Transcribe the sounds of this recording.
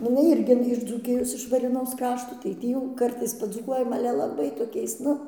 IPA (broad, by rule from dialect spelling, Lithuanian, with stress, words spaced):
nʊ ɪˈnɐɪ ˈɪrʲɡʲɪ ɪʃ d͡zuːˈkʲɪjoːs ɪʃ ʋɐrʲeːˈnoːs ˈkrɑːʃtoː tɐɪ ˈtʲiː jɛʊ ˈkɐrtɐɪs pɐd͡zuːˈkuɔjɛm ˈɑːlʲɛ lˠɐˈbɐɪ toːˈkʲɛɪs ˈnʊ